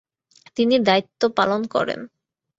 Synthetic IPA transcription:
t̪inid̪ait̪ːopalonkɔ̰ɾḛn

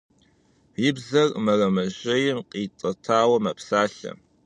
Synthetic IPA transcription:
jɪbzɐrmɐrɐmɐʒɐjɪmqʼiːtʼɐtʰaːwɐmɐpsaːɬɐ̰

